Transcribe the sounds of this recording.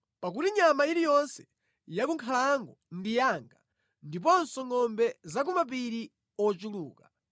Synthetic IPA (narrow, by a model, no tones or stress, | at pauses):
pak̬utiɲamaiɾijɔnsɛ̥ | jakuŋkʰalaŋɡɔndijaŋɡa | ndip̬ɔnsɔŋɔmbɛzak̬ɔmap̬iɾi | ɔt͡ʃuluːka